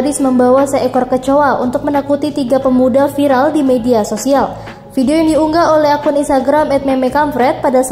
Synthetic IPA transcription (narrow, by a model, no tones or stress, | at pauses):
ɾɪsməmbawasəɛkɔrkət͡ʃoaṵnt̪ʊk̚mənakut̪it̪iɡapəmudafiɾaldimediasosial | fidiojaŋdiuŋɡaolɛɦakʊninst̪aɡɾamɛt̪̚mɛmɛkamfɾɛt̪̚padas